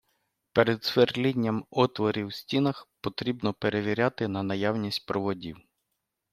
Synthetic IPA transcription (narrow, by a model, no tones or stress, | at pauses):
peɾed̪sʋerlʲinʲːɐmɔt̪ʋɔɾʲiwsʲtʲinɐxpɔt̪ɾʲibnɔpeɾeʋʲiɾʲat̪ɪnɐnɐjawnʲisʲtʲpɾɔʋɔdʲḭw